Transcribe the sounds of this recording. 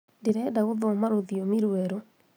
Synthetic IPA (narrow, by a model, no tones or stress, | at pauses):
ndeɾɛdaɣoðɔmaɾoðiomiɾwɛɾo